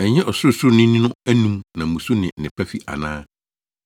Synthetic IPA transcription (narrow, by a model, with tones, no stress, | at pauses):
ɛ˨ɲɛ̃˦ʔɔ˨sʊ˦ʊ˦˨snɪ̃˦nĩ˦nʊ̃˦æ˦nũ˦mnã˨mũ˨su˦nɪ̃˨n̩˨nɪ̃˨pʰæ˦fi˦a̰˨nãː˦